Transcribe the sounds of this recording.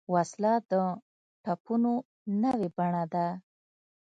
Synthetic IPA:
waslɑd̪ə | ʈapuno | nəwebaɳad̪a

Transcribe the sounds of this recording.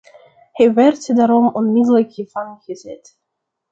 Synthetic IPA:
hɛjʋɛrtdaːɾɔmɔnmɪdələkhiːvɑnχəzɛt

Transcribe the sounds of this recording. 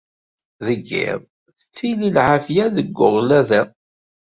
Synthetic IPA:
ðəɡːɪ̰ɾˤ | θə̥t͡sːililʕafjæðəɡːʊʁlæðæ

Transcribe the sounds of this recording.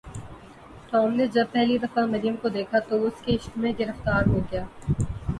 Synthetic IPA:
t̪ɔːmned͡ʒɐb̚pɛɦlid̪ɐfamɐɾijəmkod̪eːkʰat̪oʊskeɪʃt̪mẽɡɪɾəft̪aːɾɦoːɡɐjaː

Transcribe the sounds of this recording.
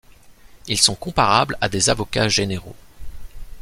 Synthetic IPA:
ilsɔ̃kɔ̃paʁablad̪ezavɔkʲaʒeneʁo̰

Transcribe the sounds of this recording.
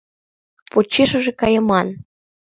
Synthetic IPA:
pot͡ɕːeʃə̆ʒekɑjɤ̆mɑn

